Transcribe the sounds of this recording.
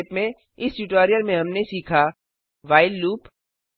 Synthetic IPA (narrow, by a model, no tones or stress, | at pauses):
pmẽ | ɪsʈuʈoːɾijəlmẽɦɐmnesiːkʰa | ʋaːɪlːuːp